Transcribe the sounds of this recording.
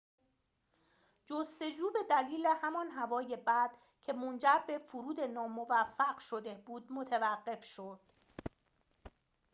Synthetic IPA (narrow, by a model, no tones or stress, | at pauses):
d͡ʒost̪e̞d͡ʒuːbe̞d̪æliːle̞hæmɒnɦævɒːje̞bæd̪̥ | cʰe̞mond͡ʒæɾbe̞fuɾuːd̪e̞nɒːmo̞væfːæɢʃo̞d̪e̞buːd̪mot̪ʰevæɢːe̞fʃod̪̥